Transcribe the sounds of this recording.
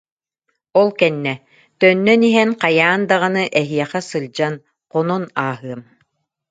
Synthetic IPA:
ɔlˠkɛnːɛ | t̪œnːœniɦɛnqajaːnd̪aʁanɯʔɛɦiɛχɛsɯlʲd͡ʑan | qɔnɔnaːɦɯɐm

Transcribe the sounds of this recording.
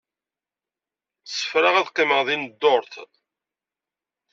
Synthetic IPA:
sə̥fɾɑʁæðqːiməʁðind̪ːoɾθ

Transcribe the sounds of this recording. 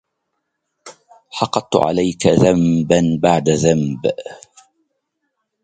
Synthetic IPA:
ħɑqːɑt̪̚ˤt̪ʕa̰lajkaðambanbaʕd̪aðamb

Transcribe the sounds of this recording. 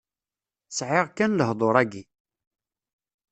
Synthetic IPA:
sʕɪʁkːænləhd̪ˤoɾˤæɡi

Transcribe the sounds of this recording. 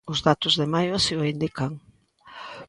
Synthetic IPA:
ʊzðat̪ʊzðemajoasioind̪ikaŋ

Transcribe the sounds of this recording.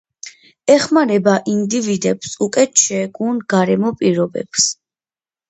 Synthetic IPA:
ɛχmaɾɛbaʔind̪ivid̪ɛpsukʼɛt̪ʃɛɡunɡ̥aɾɛmɔpʼiɾɔbɛ̰ps

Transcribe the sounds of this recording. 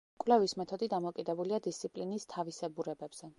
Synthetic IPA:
kʼvlɛvismɛt̪ʰɔd̪id̪amɔkʼid̪ɛbuliad̪ist̪sʰipʼlinist̪ʰavisɛbuɾɛbɛbz̥ɛ

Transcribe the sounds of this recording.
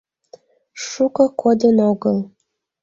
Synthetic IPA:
ʃukɤ̆kʰod̪ə̆noɡɤlˠ

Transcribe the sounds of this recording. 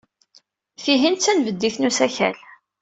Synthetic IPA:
fiɦint͡sːænvəd̪ːiθnusæçæ̰l

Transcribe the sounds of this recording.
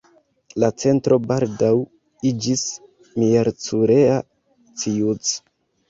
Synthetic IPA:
lat͡se̞ntɾo̞baldaw | id͡ʒis | mieɾt͡suɾea | t͡sijut͡s

